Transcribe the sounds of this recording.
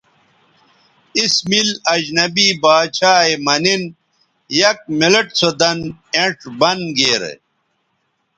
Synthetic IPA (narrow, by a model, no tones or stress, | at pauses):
ismilɐd͡ʑnɐbiːbaːt͡ɕʰaːemɐnin | jɐk̚mileʈsod̪ɐneʈbɐnɡeːɾḛ